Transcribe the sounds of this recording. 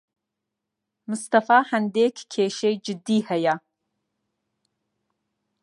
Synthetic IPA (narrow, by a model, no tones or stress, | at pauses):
mʊst̪ʰɐfaːħɐnd̪eːkʰkʰeːʃejd͡ʒɪd̪iːhɐja